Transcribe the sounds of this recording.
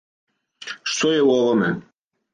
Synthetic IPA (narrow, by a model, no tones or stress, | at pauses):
ʃt̪ɔjɛuɔvɔmɛ